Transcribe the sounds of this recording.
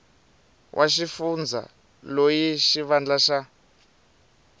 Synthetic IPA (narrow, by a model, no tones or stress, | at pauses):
wʔaʃifund͡za̰ | lojiʃiβand͡ɮaʃa